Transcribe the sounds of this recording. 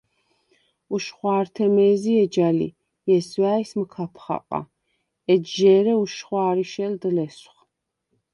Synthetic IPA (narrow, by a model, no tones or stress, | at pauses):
uʃχwaːɾt̪ʰɛmɛːziɛd͡ʒalḭ | jɛswaːisməkʰapʰχa̰qʼa̰ | ɛdʒɛːɾɛuʃχwaːɾiʃɛld̪lɛsχ